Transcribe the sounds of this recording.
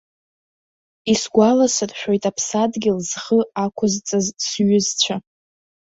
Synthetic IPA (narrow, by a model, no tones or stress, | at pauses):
isɡʷalasɨrħᶣojtʼapʰsadɡʲɪlzχəakʷʰʊzt͡sʼazsɥʏzt͡ɕʷʰa